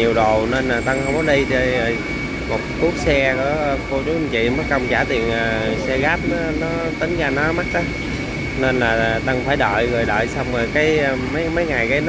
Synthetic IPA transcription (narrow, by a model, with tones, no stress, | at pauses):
i˨˩əwɗo˨˩wne˧nlaː˨˩t̪ə˧ŋhwŋ͡mkɔ˨˦ɗi˧t͡ɕə˧˩ | mo˨˩t̚ku˦˥ək̚sɛ˧kɔ˧˩ə˧ko˧t͡ɕu˨˦˧t͡ɕḭ˧˨məː˨˦kə˧wŋ͡mt͡ɕaː˧˩t̪i˨˩ənʔəː˨˩˨sɛ˧ɣaː˦˥p̚nɔ˨˦nɔ˨˦ | t̪ï˨˦ŋ̟ɣaː˧nɔ˨˦ma˦˥t̚ʔaː˨˦ | ne˧nlaː˨˩˨t̪ə˧ŋfaː˧˩jɗə̰ː˧˨jɣəː˨˩jɗə̰ː˧˨jsa˧wŋ͡məː˨˩jkaː˨˦jmə˨˦jmə˨˦jŋa˨˩jɣaː˨˦jn